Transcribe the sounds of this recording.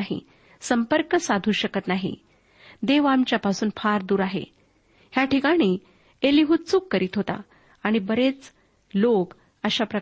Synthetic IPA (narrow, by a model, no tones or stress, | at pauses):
ɦḭ | səmpəɾkəsad̪ʱuːɕəkət̪naɦḭ | d̪eʋamt͡ɕjapasuːnfʰaɾd̪uːɾaɦḛ | hjaʈikaɽ̃iː | eliɦuːt̪̚t͡sukːəɾiːt̪ɦot̪a̰ | aɽ̃ibəɾet͡s | lok | əɕapɾə